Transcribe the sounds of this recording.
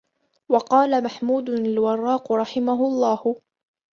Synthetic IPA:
wɑqɑːlamaħmuːd̪ʊalwɑrˤːɑːqɾˤɑħɪmaɦʊɑlˤːɑːh

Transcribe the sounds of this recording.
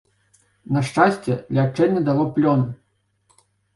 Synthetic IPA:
nɐʂt͡ʂasʲt͡sʲɛlʲat͡ʂɛnʲːɛd̪alˠɔplʲɔn

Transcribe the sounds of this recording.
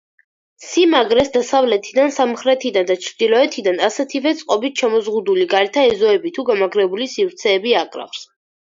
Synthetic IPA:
simaɡɾɛsd̪asavlɛt̪ʰid̪ansamχɾɛt̪ʰid̪and̪at͡ʃʰɾd̪̥ilˠɔɛt̪ʰid̪anasɛt̪ʰivɛt̪sʼqʼɔbit̪ʰʃɛmɔzʁud̪uliɡaɾɛt̪ʰaɛzɔɛbit̪ʰuɡamaɡɾɛbulisivɾt̪sʰɛːbiakʼɾa̰χs

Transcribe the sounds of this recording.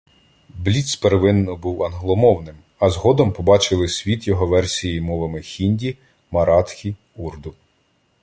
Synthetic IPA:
blʲit̪speɾʋɪnːɔbuwɐnɦlˠɔmɔwnɪm | ɐzɦɔd̪ɔmpɔbɑt͡ʃɪlˠɪsʲʋʲit̪jɔɦɔʋɛrsʲijimɔʋɐmɪxʲinʲdʲi | mɐɾɑt̪xʲi | urd̪ʊ

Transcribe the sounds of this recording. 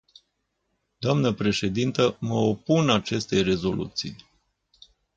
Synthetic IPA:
d̪̥oamnəpɾe̞ʃe̞d̪int̪əməo̞punat͡ʃe̞st̪e̞jre̞zo̞lṵt̪sḭj

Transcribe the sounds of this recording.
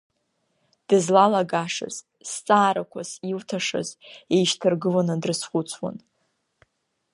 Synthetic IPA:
d̥ɨzlalaɡaʂɨ̰z̥ | st͡sʼaːɾakʷʰaziltʰaʂɨ̰zejʃtʰɨrɡɨlanɨdrɨsχʷʊt͡sʼʰwa̰n

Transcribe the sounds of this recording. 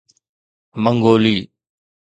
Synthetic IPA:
məŋɡoːliː

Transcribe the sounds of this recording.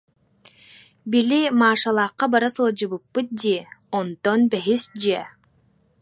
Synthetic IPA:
bilʲimaːʃɑlˠɑːqːɑbaɾasɯlˠd͡ʑɯβɯpːɯt̪̚d̪iɔnt̪ɔnbɛɦisd͡ʑiɛ

